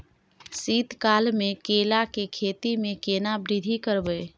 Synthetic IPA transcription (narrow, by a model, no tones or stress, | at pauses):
sit̪kalmekelakekʰet̪imekenabɾid̪ʱikəɾbə